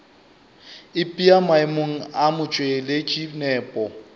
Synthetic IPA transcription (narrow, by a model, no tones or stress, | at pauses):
ɪpʼiamaɪmoŋ̩amʊt͡ʃʼwelɪt͡ʃʼinɛːpʼɔ